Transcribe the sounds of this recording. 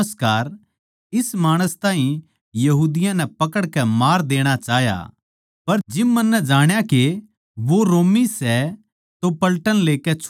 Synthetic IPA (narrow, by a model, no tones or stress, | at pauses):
əskaːɾ | ɪsmaːɽ̃əst̪ãːɦĩ | jɐɦuːd̪ɪjãnɛpɐkəɽkɛmaːɾd̪eːɽ̃at͡ʃaːɦja̰ | pɐɾd͡ʒɪːɐnːɛd͡ʒaːɽ̃jake | ʋoɾoːmisɛ | t̪opɐlʈənleːkɛt͡ʃʰ